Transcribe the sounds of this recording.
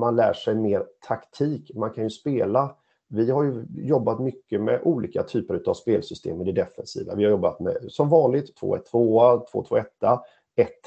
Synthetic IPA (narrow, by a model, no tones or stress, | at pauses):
manlæ̰ːʂɛjmeːɾt̪ʰakt̪ʰiːkmankʰanjɵspeːla | vɪhaɾjɵjɔbːat̪mʏkːəmɛ̰ʔuːliːkat̪ʰyːpəɾʉ̟ːt̪avspeːlsʏst̪ʰḛːməd̪ɛd̪ɛfɛnsḭːva̰vɪhaɾjɔbːat̪mɛ̰sɔmvɑːnlɪɡt̪ʰːv̥o̰ːɛ̰t̪ʰːvoːat̪ʰvo̰ːt̪ʰvo̰ːɛt̪ːa | ɛt̪ː